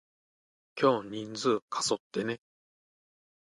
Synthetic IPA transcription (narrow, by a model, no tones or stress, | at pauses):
kʲo̞ːɲ̟ĩnd͡zɨːkʰaso̞t̪ːe̞ne̞